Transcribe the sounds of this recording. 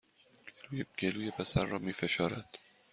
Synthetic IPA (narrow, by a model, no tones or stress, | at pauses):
ɡ̥eluːjepʰesæɾːɒːmiːfe̞ʃɒːɾæd̪̥